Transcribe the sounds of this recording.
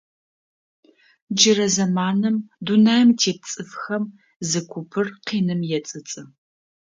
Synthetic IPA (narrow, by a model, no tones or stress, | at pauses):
d͡ʒɪrɐzɐmaːnɨmdunaːjmtʰeːp̚t͡sʼɨfxɐm | zɨkʷʰʊpʰɨrqiːnɨmjɛt͡sʼɨt͡sʼɨ